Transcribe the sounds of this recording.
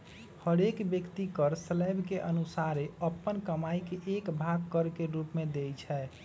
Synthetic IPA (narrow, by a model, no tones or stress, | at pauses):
həɾekbjəkt̪ikəɾsələbʱkeʔənusaɾeəpːənkəmaikeʔːkbʱaɡ̚kəɾkeɾupmed̪ejt͡ʃʰɛ